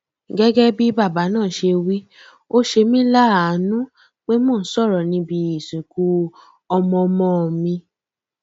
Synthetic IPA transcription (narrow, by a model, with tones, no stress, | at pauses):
ɡɛ˦ɡɛ˦bi˦ba˦˨ba˨˦nãː˦˨ʃe˧wi˦ | o˦ʃe˧mĩ˦la˦a˨nũ˦ | k͡pe˦mɔ̃˦˨n̩˦sɔ˦˨ɾɔ˨nĩ˧˦bi˧˦i˦˨sũ˨ku˨˦ | ɔ˧mɔ̃˧mɔ̃˧o˨mĩ˧